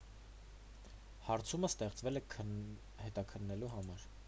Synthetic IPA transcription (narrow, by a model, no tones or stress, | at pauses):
hɑɾt͡sʰuməst̪ɛχt͡svɛlɛkʰə | hɛt̪ɑkʰənːɛluɦɑmɑɾ